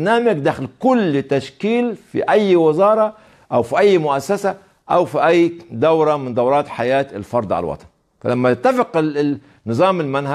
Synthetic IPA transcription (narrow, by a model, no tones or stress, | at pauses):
naːmaɡd̪aːxɪlkʊlːt̪aʃkiːlfḭʔajːwɪzɑːɾˤɑ | ʔawfiʔajːmʊʔasːasa | ʔawfiʔajːd̪awɾˤɑmɪnd̪ɑwɾˤɑːt̪ħajaːt̪ɪlfɑɾˤd̪ˤʕa̰l̰wɑ̰t̪ˤɑ̥n | fa̰lamːajɪt̪ːafɪqɪ | nːɨzˤɑːmɪlmanha